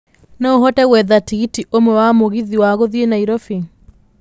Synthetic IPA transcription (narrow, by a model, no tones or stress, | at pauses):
naoɦɔtɛɣwɛðatiɣitiʔomwɛwamoɣiðiwaɣoðienaiɾɔfi